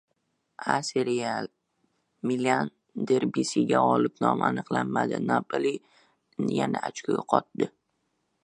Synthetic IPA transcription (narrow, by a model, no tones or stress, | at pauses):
aseɾial | milian | d̪eɾbisɪɡʲaɒlɪpnɒma̰nɨqlˠanmad̪ɪnapali | njanaat͡ʃkʰʲʊɡʲaqʰɒt̪̚d̪ɪ